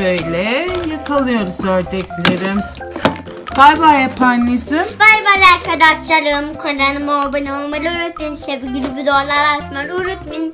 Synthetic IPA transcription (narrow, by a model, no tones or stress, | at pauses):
øjlʲɛjakʰalˠɯjo̞ɾuzøɾd̪ɛclʲeɾɪm | b̥ajbajapʰanlid͡ʒɪmbajbalʲaɾkʰad̪aʃlalɯmkʰolanɯmobɯnaomɯluɾut̪minʃebiɡylybyd̪olˠaɾat̪manuɾut̪min